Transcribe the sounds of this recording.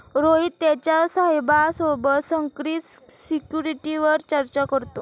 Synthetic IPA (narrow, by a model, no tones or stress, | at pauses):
ɾoɦitt̪ːjat͡ɕjasaɦjbasobəsəŋkɾit̪ | sikjuɾiʈiʋəɾt͡ɕəɾt͡ɕakəɾt̪o